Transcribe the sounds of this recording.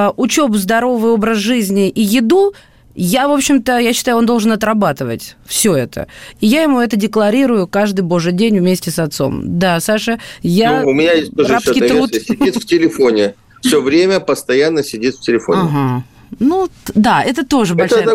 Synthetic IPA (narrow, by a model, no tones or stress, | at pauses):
ʔʊt͡ɕo̞pzd̪ɐɾo̞vɨjo̞bɾəsʐɨzʲnʲɪʔijɪd̪u | javo̞pɕːɪmt̪əjaɕːɪ̥t̪aʊond̪o̞lˠʐɨnɐt̪ɾɐbat̪ɨvə̰tʲfsʲo̞ɛt̪ʰə̰ijajɪmuɛt̪ədʲɪklˠɐɾʲiɾʊjʊkaʐd̪ɨjbo̞ʐɨjdʲenʲvmʲesʲtʲɪsɐt̪so̞̰md̪asaʂɨjanʊmʲɪnʲajesʲt̪oapkisʲɪdit̪ftʲɪlʲɪfo̞nʲɪ | fsʲɵvɾʲemʲəpəst̪ɐjanːəsʲɪdʲit̪fʲtʲɪlʲɪfo̰nɪɦa | nud̪aɛt̪ət̪o̞ʐɨbɐlʲʂj